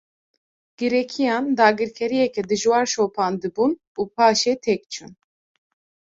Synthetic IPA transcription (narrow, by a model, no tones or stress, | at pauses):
ɡ̥iɾɛkʰijɑːnd̪aːɡɨɾkʰɛɾijɛkʰɛd̪ɨʒwaɾʃoːpʰaːnd̪ɨbun | upʰaːʃɛt̪ʰɛk̚t͡ʃʰun